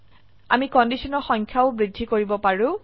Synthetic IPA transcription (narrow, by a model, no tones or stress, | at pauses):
a̰mikɔndisɔnɔɹxɔŋkʰjaʊbɹidʱːikoɹibɔpaɹʊ̃